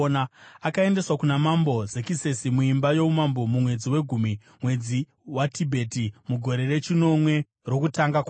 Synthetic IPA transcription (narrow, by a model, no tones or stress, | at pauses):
naakae̞nde̞swakunamambo̞zekise̞simuimbajo̞umambo̞mumwe̞d͡ziwe̞ɡʱumi | mwe̞d͡zi | watibʱe̞timuɡʱo̞ɾe̞re̞t͡ʃino̞mwe̞ | ro̞kutaŋɡakwa